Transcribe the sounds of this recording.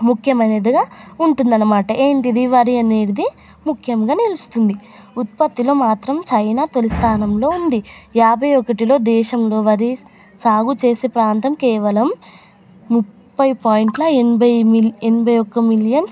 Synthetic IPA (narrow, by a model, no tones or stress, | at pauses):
mukʰjɐmɐneːd̪ɐɡaːuɳʈund̪ɐnːɐmaːʈɐʔe̞ːɳʈid̪iʋɐɾiɐneːɽid̪i | mukʰjɐmɡaːnilust̪und̪i | ut̪̚pɐt̪ːilo̞ːmaːt̪ɾɐmt͡ʃɐjnaːt̪e̞list̪ʰaːnɐmlo̞ːund̪ijaːbʱɐjɔkɐʈilo̞ːd̪ɛːʃɐmlo̞ːʋɐɾi | saːɡut͡ʃeːseːpɾaːnt̪ɐmkɛːʋɐlɐmː | upːɐjpaːjiɳʈlɐenbʱɐjmienbʱɐjɔkːɐmiljɐn